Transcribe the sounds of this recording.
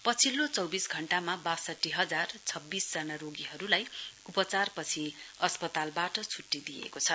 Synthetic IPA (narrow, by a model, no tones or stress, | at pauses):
pʌt͡sʰilːot͡sʌwbisɡʱʌɳʈamabasʌʈːiɦʌd͡zart͡sʰʌbːisd͡zʌnaɾoɡiɦʌɾulajupʌt͡sarpʌt͡sʰiʌspʌt̪albaʈʌt͡sʰuʈːid̪ijḛkot͡sʰʌ